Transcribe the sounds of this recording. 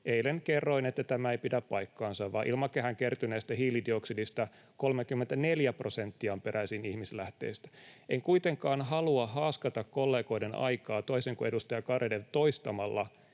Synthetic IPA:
ʔeileŋkerːoinet̪ːæt̪æmæeipidæppɑikːɑːnsɑʋʋɑːʔḭlmɑkehæŋkert̪yneːst̪æhiːlidioksidist̪ɑ | kolmekymːent̪æneljæprosent̪ːiɑmpeɾʔæisinihmislæht̪ḛist̪æ̥ʔeŋkuit̪eŋkɑːnɦɑluɑhɑːskɑt̪ɑkkolːeːkoidenɑ̰ikɑːt̪oiseŋkuedust̪ɑjɑkɑredelt̪oist̪ɑmɑlːɑ

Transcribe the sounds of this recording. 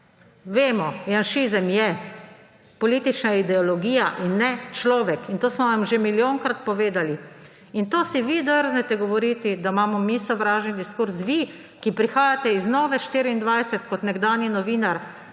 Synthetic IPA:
ʋeːmɔjanʃizəmjɛ | pɔliːt̪it͡ʃnaid̪ɛɔlɔɡiːjaʔinːɛt͡ʃlɔːʋɛkʰint̪oːsmɔʋamʒemiljoːŋkɾat̪̚pɔʋeːd̪ali | int̪oːsiʋid̪əɾznɛt̪ɛɡɔʋɔɾiːt̪id̪amaːmɔmisɔʋɾaːʒɛnd̪iskuɾsʋi | kipɾixaːjat̪ɛiznɔːʋɛʃt̪iːɾiːnd̪ʋajsɛt̪kɔt̪nɛɡd̪aːnjinɔʋiːnaɾ

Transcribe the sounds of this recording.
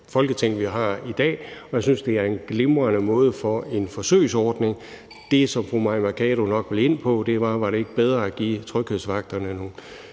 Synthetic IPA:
fɒ̽lɡ̥ət͡sʰeŋ̰ʋiɦɑ̈id̥ɛ̰ːɒjäɪsynsd̥e̝æɐe̝nɡ̥le̝mʁɐnəmɔ̽ːð̞̩ˠfɒe̝nfɒ̽sø̰ːɪsɒːd̥ne̝ŋ | d̥e̝sɒ̽mpʰʁomɑɪmækʰɛːɾonɒ̽ɡ̥ʋe̝le̝n̰pʰɒ̽d̥e̝ʋɑ̈ʋɑ̈ɾ̥e̝e̝ɡ̥əb̥eð̞ˠʁɐæɡ̥ḭːt͡sʰʁœɡ̥heðˠsʋɑ̈ɡ̥̚d̥ɐnənu

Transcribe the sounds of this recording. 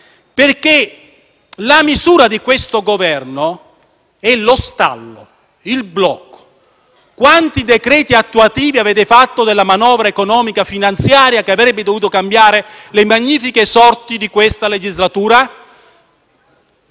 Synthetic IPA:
perke | lamizuːɾad̪ikwest̪oɡovɛrno | ɛlost̪a̰lːo̰ | ilblɔkːo̥ | kwant̪id̪ekɾɛːt̪iat̪ːuat̪iːviavɛːd̪efat̪ːod̪elːamanɔːvɾaekonɔːmikafinant̪sjaːɾjakeavɾɛbːed̪ovuːt̪okambjaːɾelemaɲːiːfikesɔrt̪id̪ikwest̪aled͡ʒizlat̪uːɾa

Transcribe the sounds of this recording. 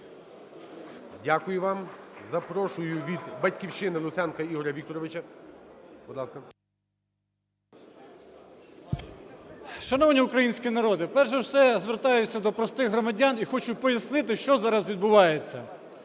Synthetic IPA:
dʲakʊjʊʋɑm | zɐpɾɔʃʊjʊʋʲid̪bɐtʲkʲiwʃɪnɪlˠʊt̪sɛnkɐiɦɔɾʲɐʋʲik̚t̪ɔɾɔʋɪt͡ʃɐ | bʊd̪lˠɑskɐ | ʃɐnɔwnʲiʊkɾɐjinʲsʲkʲinɐɾɔd̪ɪpɛrʒɛwsɛzʋert̪ɑjʊt͡sʲːɐd̪ɔpɾɔst̪ɪɣɦɾɔmɐdʲɑnixɔt͡ʃʊt̚ʲpɔjɐsnɪt̪ɪʃt͡ʃɔzɑɾɐzʋʲid̪̚bʊʋɑjet͡sʲːɐ

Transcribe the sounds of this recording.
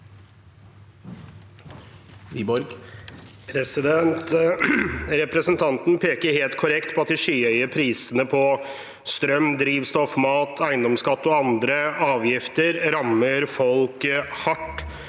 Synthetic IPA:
iːbɔɾɡ | pʰɾɛsɪd̪ɛnt̪ | ɾɛpɾəsənt̪ʰɑnt̪n̩pʰeːkəɾheːlt̪kʰʊɾɛkt̪pʰɔɑt̪ʋɪʂyːœʏəɾpʰɾiːsənəpʰɔ | st̪ɾœmd̪ɾiːʋst̪ɔfmɑːt̪ʰæɪənd̪ɔmskɑt̪ːəɔɑnd̪ɾəɑːʋjɪft̪əɾɾɑmːəɾfɔlkhɑʈː

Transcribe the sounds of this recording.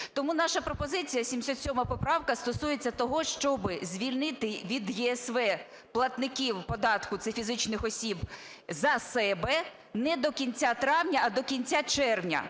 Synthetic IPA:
t̪ɔmunɑʃɐpɾɔpɔzɪt͡sʲijɐsʲimsʲɔt̪sʲɔmɐpɔpɾɑwkɐst̪ɔsujet͡sʲːɐt̪ɔɦɔʃt͡ʃɔbɪzʲʋʲilʲnɪt̪ɪʋʲid̪jɛːsʋɛ | plˠɐt̪nɪkʲiwpɔd̪ɑt̪kʊt̪sɛfʲizɪt͡ʃnɪxɔsʲib | zɐsɛbɛ | nɛd̪ɔkʲinʲt͡sʲat̪ɾɑwnʲɐːd̪ɔkʲinʲt͡sʲat͡ʃɛrʋnʲɐ̰

